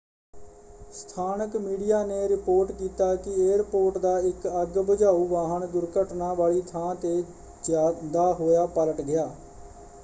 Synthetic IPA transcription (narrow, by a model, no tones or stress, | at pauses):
st̪ʰaːnəkmiːɖijaːneːɾɪpoːɾʈkiːt̪aːkɪeːɾpoːɾʈd̪aːɪkəɡbəd͡ʒaːuːʋaːɦəɳɡʊɾkəʈnãːʋaːɭiːt̪ʰãːt̪eː | d͡ʒaːd̪aːɦoːjaːpələʈɡɪjaː